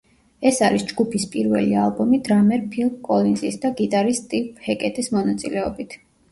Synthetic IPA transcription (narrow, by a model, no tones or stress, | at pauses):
ɛsaɾisd͡ʒɡupʰispʼiɾvɛ̰lialˠbɔmid̪̥ɾamɛɾpʰilˠmkʼɔlinzisd̪aɡit̪ʼaɾist̪ʼipʼhɛkʼɛt̪ʼismɔnat̪sʼḭlɛɔbit̪ʰ